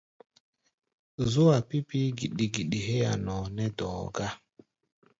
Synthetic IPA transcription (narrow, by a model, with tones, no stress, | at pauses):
zo˦wa˨pi˦pi˦ɡi˨ɗi˨ɡi˨ɗi˨ɦe˦ja̰˨nɔ˨nɛ˦dɔ̰ː˨ɡa˦